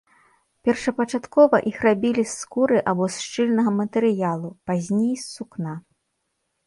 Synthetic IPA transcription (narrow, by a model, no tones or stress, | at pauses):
pʲɛrʂɐpɐt͡ʂat̪kɔvɐʔixrabʲilʲisːkuɾɨʔabɔsʂt͡ʂɨlʲnɐɣɐmɐt̪ɛɾɨjalˠupazʲnʲejsːukna